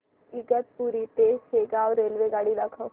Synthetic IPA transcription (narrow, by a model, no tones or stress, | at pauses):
ɪɡət̪̚puːɾit̪eːseːɡaɔːɾːeːlʋeɡaːɽilakʰã